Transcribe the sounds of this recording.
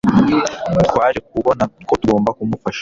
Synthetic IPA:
t̪waːɾek̚uβo̞nakotuɡo̞ːmbakumufaʃ

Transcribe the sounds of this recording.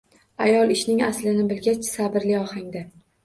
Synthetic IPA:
ajɒlˠɪʃnɪŋaslɪnɪbɪlɡʲat͡ʃʰsabɪɾlɪɒhaŋd̪a

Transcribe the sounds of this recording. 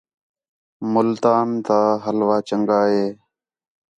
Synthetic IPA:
mʊlt̪aːnt̪aːɦəlʋaːt͡ʃəŋɡaːɦeː

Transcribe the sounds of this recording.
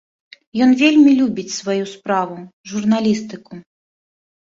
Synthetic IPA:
jɔnvʲelʲmʲilʲubʲit͡sʲsvajuspɾavuʐurnalʲist̪ɨku

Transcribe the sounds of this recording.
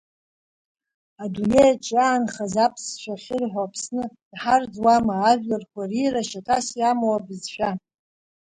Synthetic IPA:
adune̞jat͡ʃʰʼaːnχazapʰsʃʷᶣaχʲɪrħʷapʰsnɨd̥ħard͡zwamaːʒᶣlarkʷʰariraʃatʰasjamowabɨzʃʷᶣa

